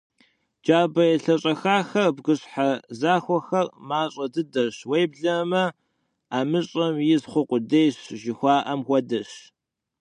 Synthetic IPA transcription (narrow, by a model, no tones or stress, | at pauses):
d͡ʒaːbɐjɛɬɐɕʼɐxaːxɐrbɡɨɕħazaːxʷɔxɐrmaːɕʼɐdɨdɐɕwejbɮɐmɐ | aːmɨɕʼɐmjɪzχʷʊqʷʼʊdejɕʒɪxʷɑːʔɐmxʷɔdɐɕ